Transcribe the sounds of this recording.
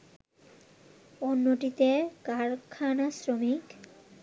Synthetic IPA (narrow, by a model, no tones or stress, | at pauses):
onːoʈit̪ekaɾkʰanasɾomik